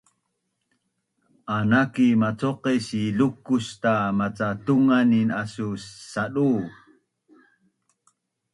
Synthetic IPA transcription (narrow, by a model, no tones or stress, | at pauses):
ʔanakimat͡soqesiɮukustamat͡satuŋaninasusaɗu